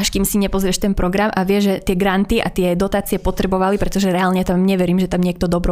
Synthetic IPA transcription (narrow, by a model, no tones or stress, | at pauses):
aʃkiːmsiɲɛpɔzɾɪɛʃt̪ɛnpɾɔɡɾamʔaʋɪɛʒʒɛt̪ɪɛɡɾant̪iʔa̰t̪ɪɛd̪ɔt̪aːt͡siɛpɔt̪ɾɛbɔʋalipɾɛt̪ɔʒɛɾɛaːlɲɛt̪amɲɛʋɛɾiːmʒɛt̪amɲɪɛk̚t̪ɔd̪ɔbɾɔ